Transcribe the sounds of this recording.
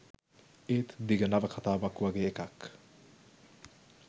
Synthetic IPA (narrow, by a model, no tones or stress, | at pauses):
et̪d̪iɡɐnɐʋɐkʰɐt̪aːbɐkːuwɐɡeːekak